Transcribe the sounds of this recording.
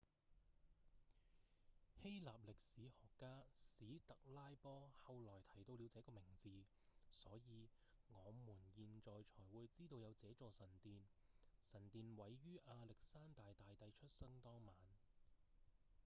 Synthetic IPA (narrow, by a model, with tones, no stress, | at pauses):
he˥jla̰ː˨p̚lɪ˨k̚siː˨˥hɔː˨kːaː˥siː˨˥t̪ɐ˨k̚laː˥jpɔː˥hɐ˨˧wlɔː˨˩jt̪ʰɐ˨˩jt̪o˧wliː˨˧wt͡sɛː˨˥kɔː˧mɪ˨˩ŋt͡siː˨ | sɔː˨˥jiː˨˧ | ŋɔː˨˧muː˨˩njiː˨nt͡ʃɔː˨jt͡ʃʰɔː˨˩jwuː˨˧jt͡siː˥t̪o˧wjɐ˨˧wt͡sɛː˨˥t͡sɔː˨˧sɐ˨˩nt̪iː˨˧nsɐ˨˩nt̪iː˨nwɐ˨˥jːyː˥ʔaː˧lɪ˨k̚saː˥nt̪aː˨jt̪aː˨jt̪ɐ˨˧jt͡ʃʰɵ˥t̚sɐ˥ŋt̪ɔː˥ŋmaː˨˥n